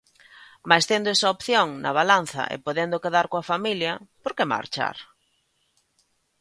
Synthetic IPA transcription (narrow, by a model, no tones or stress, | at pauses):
majst̪end̪oɛsɐopθjoŋnɐβalan̟θɐ̰ʔḛpoðend̪okeðaɾkoafamiljɐpoɾkema̰ɾt͡ʃa̰ɾ